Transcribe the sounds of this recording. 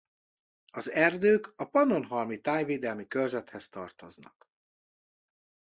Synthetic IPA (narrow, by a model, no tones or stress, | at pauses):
ɒzɛrd̪øːkɒpɒno̞nɦɒlmit̪aːjveːd̪ɛlmikølzɛt̪hɛst̪ɒrt̪oznɒ̰k